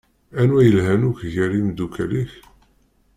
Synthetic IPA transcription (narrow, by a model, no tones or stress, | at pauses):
ænwæjəlɦænuçʝəɾimd̪ukʰæliç